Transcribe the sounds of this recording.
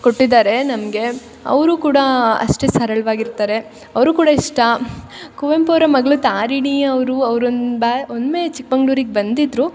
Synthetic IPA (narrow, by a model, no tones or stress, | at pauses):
koʈːid̪aːɾe̞nɐmɡe̞ | ɐ̰ʋɾuːkuːɽɐɐ̰ʂʈe̞sɐɾɐɭʋaːɡiɾt̪aːɾe̞ | ɐʋɾuːkuːɽɐiʂʈɐ | kuʋempoːɾɐmɐɡɭut̪aːɾiɳiɐʋɾuɐʋɾonbaond̪meːt͡ʃik̚bɐŋɡɭuːɾiɡebɐnd̪id̪ɾu